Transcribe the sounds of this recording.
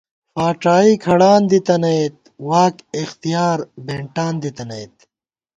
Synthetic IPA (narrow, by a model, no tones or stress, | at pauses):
faːʈaːiːkʰɐɽaːnd̪it̪ɐnɐjt̪̚ | waːkixt̪ijaːɾbeɳʈaːnd̪it̪ɐnɐjt̪̚